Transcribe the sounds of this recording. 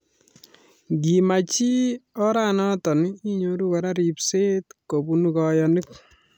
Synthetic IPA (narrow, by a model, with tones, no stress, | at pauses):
ɡi˨ma˨t͡ʃi˦ɔ˦ɾa˦nɔ˦tɔ˨ni˦ɲo˦ɾu˦kɔ˨ɾa˦ɾi˨pse˦tko˨bu˦nu˨kɔ˨jɔ˨ni˦k̚